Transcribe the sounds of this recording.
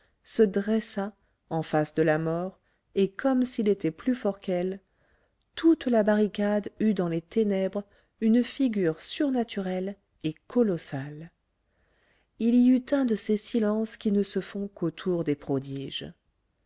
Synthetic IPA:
səd̪ʁɛsa | ɑ̃fasd̪əlamɔʁ | ekʰɔmsilet̪ɛplyfɔʁkɛl | t̪ut̪labaʁikad̪yd̪ɑ̃let̪enɛbʁ | ynfiɡʲyʁsyʁnat̪yʁɛl | ekɔlɔsal | iliyt̪ɛ̃d̪əsesilɑ̃skʲinəsəfɔ̃kot̪ʰuʁd̪epχɔd̪iʒ

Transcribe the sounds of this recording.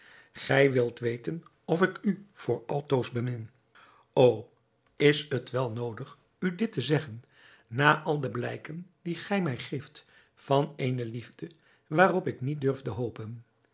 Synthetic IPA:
χɛjʋɪlˠtʋejtən | ɔfɪkyv̥ʊːɹɑlˠtowzbəmɪn | ow | ɪsətʋɛlˠnowdəχ | ydɪtəzɛχənː | aːʔɑlˠdəblɛjkəndiχɛjmɛjχejft | fɑnejnəlivdə | ʋaːrɔpɪknit̚dɵɹvdəɦowpən

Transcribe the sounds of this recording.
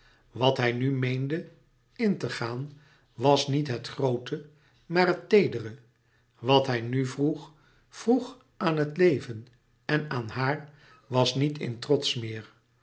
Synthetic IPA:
ʋɑtɦɛjnymejndə | ɪntəχaːn | ʋɑsnitɦətχrowtə | maːɹɦətejdərə | ʋɑtɦɛjnyvruχ | v̥ruχ | ʔaːnɦətlejvən | ɛnaːnhaːɹ | ʋɑsnitʰɪ̰ntrɔtsmɪːɹ

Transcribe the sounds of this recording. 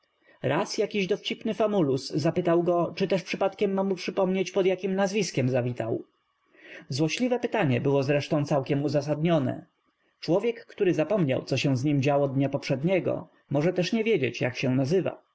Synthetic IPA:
ɾʔasjakʲiʑd̪ɔft͡ɕipnɘfamulusːapɘt̪awɡɔt͡ʂɘt̪ɛʂpʂɘpat̪kʲɛmːamupʂɘpɔmɲet͡ɕpɔd̪jakʲimnazvʲiskʲɛmzavʲit̪a̰w | zwɔɕlʲivɛpɘt̪aɲɛbɘwɔzɾɛʂt̪ɔ̃w̃t̪sawkʲɛmuzas̬ad̪ɲɔnɛ̰ | t͡ʂwɔvʲjɛkːt̪uɾɘzapɔmɲa̰wt̪sɔɕɛ̃w̃zɲimd͡ʑawɔd̪ɲapɔpʂɛd̪ɲɛɡɔ̰ | mɔʐɛt̪ɛʂɲɛvʲjed͡ʑḛt͡ɕja̰kɕɛ̃nazɘva̰

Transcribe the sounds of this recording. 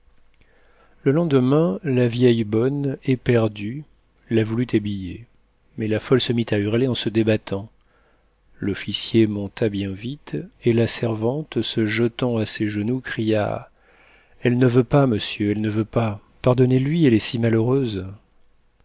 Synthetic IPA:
ləlɑ̃d̪əmɛ̃lavjɛjbɔnɛpɛʁd̪y | lavulyt̪ʰabijḛ | mɛlafɔlsəmit̪ayʁleɑ̃səd̪ebat̪ʰɑ̃ | lɔfisjemɔ̃t̪abjɛ̃vit̪elasɛʁvɑ̃t̪səʒət̪ɑ̃aseʒənukχija̰ | ɛlnəvøpaməsjøɛlnəvøpa | paʁd̪ɔnelɥiɛlɛsimaløʁøz

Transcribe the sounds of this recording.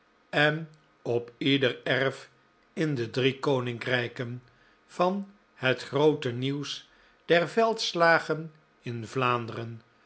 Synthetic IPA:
ɛn | ɔpidərɛɹf | ɪndədrikownɪŋkrɛjkən | v̥ɑn | hətχrowtəniws | d̥ɛrvɛlˠtslaːχən | ɪnvlaːndərən

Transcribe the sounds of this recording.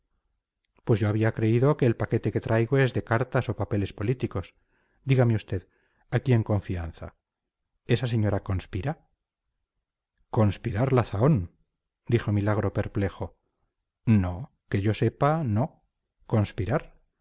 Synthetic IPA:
pwe̞zʝo̞aβ̞iakɾe̞iðo̞ke̞ːlpake̞t̪e̞ke̞t̪ɾʔajɣo̞e̞zðe̞kaɾt̪aso̞pape̞le̞spo̞lit̪iko̞s | d̪iɣameust̪e̞ð | akie̞ŋko̞ɱfian̟θa̰ | e̞sas̬e̞ɲo̞ɾako̞nspiɾa | ko̞nspiɾaɾlaθao̞n | d̪ixo̞milaɣ̞ɾo̞pe̞ɾple̞xo̞ | no̞ | ke̞ʝo̞se̞pano̞ | ko̞nspiɾaɾ

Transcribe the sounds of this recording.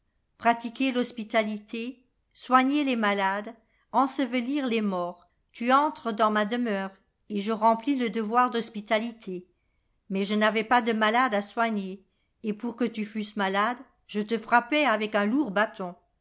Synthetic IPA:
pχat̪ikʲelɔspit̪alit̪ʰe | swaɲelemalad̪ | ɑ̃səvəliʁlemɔːʁ | t̪yɑ̃t̪χəd̪ɑ̃mad̪əmœːʁ | eʒəʁɑ̃pliləd̪əvwaʁd̪ɔspit̪alit̪ʰe | mɛʒənavɛpad̪əmalad̪aswaɲeː | puʁkət̪yfysmalad̪ | ʒət̪əfχapɛavɛkɛ̃luʁbat̪ɔ̃

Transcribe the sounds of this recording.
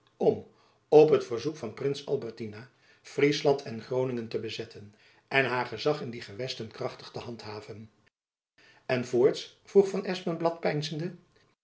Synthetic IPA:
ɔm | ɔpɦətfəɹzukfɑnprɪnsɑ̰lˠbɛɹtina | frislɑntʰɛnχrownɪŋəntəbəzɛtʰən | ʔɛnɦaːɹχəzɑχɪndiχəʋɛstənkrɑχtəχtəɦɑntɦaːvən | ɛnvoːɹtsv̥ruχfɑnɛsmənblɑtpɛjnzəndə

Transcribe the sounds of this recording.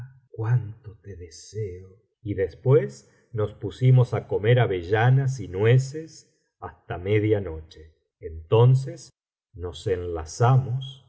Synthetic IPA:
kwant̪ot̪eðeseo | iðespwes | no̞spusimo̞sako̞meɾaβeʒanas̬inweses | ast̪ameðjano̞t͡ʃeː | nt̪o̞ns̬es | no̞senla̰samos

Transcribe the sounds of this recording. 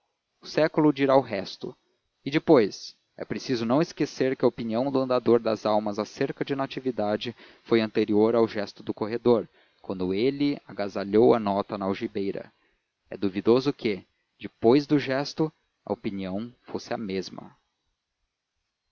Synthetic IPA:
ʊsɛkʊlʊd͡ʒiɾaʊɦɛst̪ʊ̰ | ɪd͡ʒɪpojs | ɛ̰pɾesizʊnɐ̃w̃ɪskeseɾkɪɐopiniɐ̃w̃d̪ʊɐ̃nd̪ad̪oɾd̪ɐzawmɐzaseɾkɐd͡ʒɪnat͡ʃivid̪ad͡ʒɪ | fojɐ̃nt̪eɾioɾawʒɛst̪ʊd̪ʊkoɦed̪oɾ | kwɐ̃nd̪ʊelɪa̰ɡazaʎowɐnɔt̪ɐnɐawʒibejɾɐ̰ | ɛ̰d̪uvid̪ozʊkʰɪ | d͡ʒɪpojzd̪ʊʒɛst̪ʊ | ɐ̰opiniɐ̃w̃fosɪɐmezmɐ̰

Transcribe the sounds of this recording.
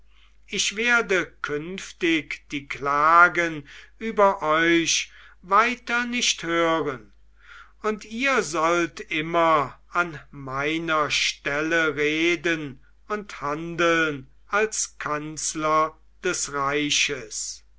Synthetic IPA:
ʔɪʃv̥eːɐdəkʰʏnftɪkd̥iːklaːɡənʔyːbɐʔɔʏʃvaɪtɐnɪʃthøːʁən | ʊntiːɐzɔltʔɪmɐanmaɪnɐʃtɛləʁeːdən | ʊnthandəln | ʔalskʰanslɐ | d̥ɛsʁaɪʃəs

